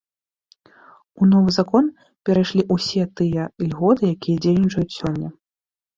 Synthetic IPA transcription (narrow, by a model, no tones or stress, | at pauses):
unɔvɨzakɔn | pʲɛɾajʂlʲiʔusʲɛt̪ɨjɐlʲɣɔt̪ɨjakʲijɐd͡zʲejnʲit͡ʂɐjut͡sʲsʲɔnʲːɐ